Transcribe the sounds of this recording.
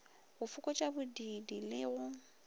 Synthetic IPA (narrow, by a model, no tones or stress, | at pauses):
ɣʊfʊkʼɔt͡ʃʼabʊdidilɪɣʊ